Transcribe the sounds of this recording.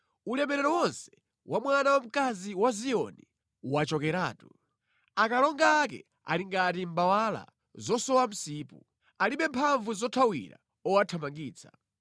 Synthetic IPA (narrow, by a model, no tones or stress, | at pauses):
ulɛmɛɾɛɾɔwɔnsɛ̥ | wʔamwanawam̩kaziwazijɔ̰ni | wat͡ʃɔkɛɾaːtu | akalɔŋɡaːk̬ɛ̰ | a̰liŋɡatimbawala̰ | zɔsɔwam̩siːpṵ | aliɓɛmpʰaɱvuzɔtʰawḭɾa̰ | ɔwatʰamaŋɡiːt͡sʰa